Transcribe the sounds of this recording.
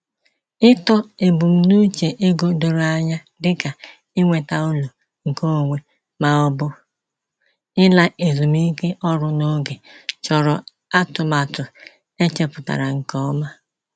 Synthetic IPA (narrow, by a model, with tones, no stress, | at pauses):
ɪ˦tɔ˦e˨bu˨m̩˦nu˦t͡ʃe˨ʔe˦ɡo˦do˨ɾo˨a˦ɲa˦ | dɪ˦ka˨ | ɪ˦ŋʷe˨ta˨u˦lu˨ | ŋ̩˨ko˦˨ŋʷe˨ | ma˦˨ɔ˦bʊ˦ | ɪ˦la˦ʔe˨zu˨m̩˦i˦ke˦ʔɔ˦ɾʊ˦no˦ɡe˨t͡ʃɔ˨ɾɔ˨ | a˦tʊ˨ma˨tʊ˨ | e˦t͡ʃe˦pʊ˨ta̰˨ɾa˨ŋ̩˨kɔ˦ma˦